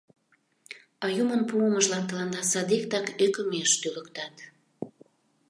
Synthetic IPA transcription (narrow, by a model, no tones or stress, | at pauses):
ɑjumənpuəməʒlɑnt̪ə̆lɑnd̪ɑsɑd̪ik̚t̪ɑkøkə̆meʃt̪yləkt̪ɑt̪